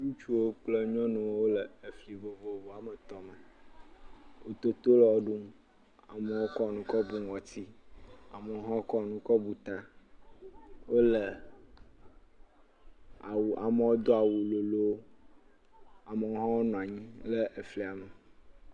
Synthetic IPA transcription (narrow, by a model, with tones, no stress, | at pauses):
nũ˦t͡ʃu˦wo˦k͡plə˦ɲɔ̃˦nũ˨wo˦wo˦lə˨ə˨fli˨vo˨vo˨vɔ˨a˨mə˨t̪ɔ˦mə˨ | wo˦t̪o˦t̪o˦lɔ˨wɔ˦ɖu˦m | a˨mə˨wo˦kɔ˦˨nũ˨kɔ˦bu˦ŋ˨ɔ˨t̪i˦a˨mə˨˦ɦɔ̃˦o˦kɔ˦nũ˦kɔ˦bu˨t̪a˦ | wo˦lə˨ | a˨wu˨ʔa˨mə˨wo˦d̪o˦a˨wu˨lo˨lo˦ | a˨mə˨o˦ɦɔ̃˦wo˦nɔ̃˨a˨ɲĩ˦lə˦ʔe˨fli˨a˨mə˨